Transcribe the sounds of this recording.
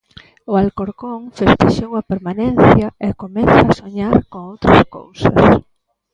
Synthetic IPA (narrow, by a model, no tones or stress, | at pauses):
ʊalkoɾkoŋfest̪eʃowɐpeɾmanẽnθjɐekomɛθaːsoɲaɾkoŋowt̪ɾɐsko̰wsɐ̰s